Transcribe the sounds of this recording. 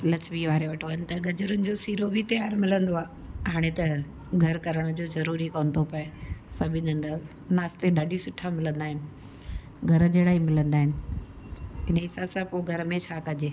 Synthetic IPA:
lɐt͡ɕbiʋaːɾeʋɐʈʰʋɐnɪt̪ɐɡɐd͡ʑʊɾʊnɪ̆d͡ʑoːsiːɾobʱɪt̪ɐjaːɾmɪlə̃nd̪oaːɦaːɽ̃et̪ɐ | ɡʱɐɾkɐɾəɽ̃ə̆d͡ʑoːzɐɾuːɾikɐnd̪opɐsɐbʱɪ̃d̪ɐ̃nd̪ə | naːst̪eɗaːɖʱisʊʈʰːamɪlə̃nd̪aːɦɪnɪ̆ | ɡʱɐɾə̆d͡ʑeːɽaːimɪlə̃nd̪aːɦɪnɪ̆ | ɪnəɦɪsaːbsãpoɡʱɐɾmẽt͡ɕʰaːkɐd͡ʑeː

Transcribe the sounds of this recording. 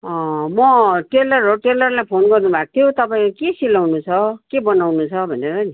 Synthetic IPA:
ʌmʌʈelʌroʈelʌrlajpʰonɡʌrnubʱak̚t̪ʰjot̪ʌpaĩkokesilːawnut͡sʰʌkebʌnawnut͡sʰʌbʱʌneʌni

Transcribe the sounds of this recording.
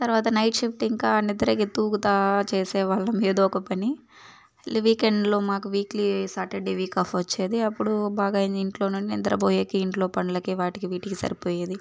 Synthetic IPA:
t̪ɐɾʋaːt̪ɐnɐjʈʃipʰʈiŋkaːnid̪ɐɾɐkit̪uːkut̪aːt͡ʃeːsɛːʋaːɭːɐmiːd̪ɐɔkɐpɐni | liʋiːkeɳɖlo̞ːmaːkuʋiːklisaːɾʈeɖeʋiːkaːpʰʋɐt͡ʃːeːd̪iɐpːuɽubaːɡaːiniɳʈlo̞ːnunt͡ʃiḭd̪ɐɾɐbʱoːjekiiɳʈlo̞ːpɐɳɐlɐkiʋaːʈikiʋiːʈikisɐ̰ɾipoːjeːd̪i

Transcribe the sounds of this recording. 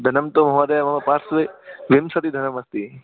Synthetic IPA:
d̪ʱɐnɐmt̪omɐɦɐɾemɐmɐpaɾsʋeʋimsɐt̪id̪ʱɐnɐmɐst̪i

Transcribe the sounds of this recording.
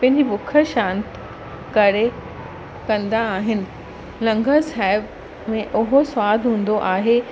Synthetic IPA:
pɐ̃ɦɪ̃ɲd͡ʑibʊkʰəʃãːnt̪ | kɐɾe | kɐ̃nd̪aːɦɪnɪ̆ | lɐ̃ŋɡʱəsaːɪb | mẽʔʊɦoswaːd̪ʱɦũːn̆d̪oʔaːɦe

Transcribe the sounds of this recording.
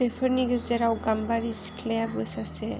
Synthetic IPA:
bepʰəɾniɡɯzeɾawɡambaɾiskʰlejabɯsase

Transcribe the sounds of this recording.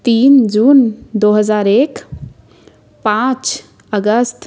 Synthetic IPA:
t̪iːnd͡ʒuːnd̪oːɦəzaːɾeːk | pãːt͡ʃ | əɡəst̪

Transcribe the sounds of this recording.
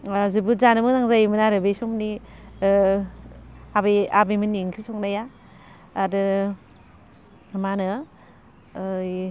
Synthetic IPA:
zibuzanɯmɯzaŋzajmɯnaɾɯbejsɔmni | abejabɯjmɯnːiŋkʰisɔŋnajaː | dɯ | manɯ | j

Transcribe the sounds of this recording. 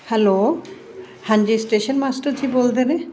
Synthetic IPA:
hɛlo | hand͡ʑisʈeʃonmasʈəɾd͡ʑibold̪ene

